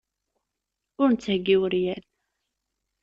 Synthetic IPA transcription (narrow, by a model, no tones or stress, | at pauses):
ʊɾnət͡sːhəɡːiwəɾjæl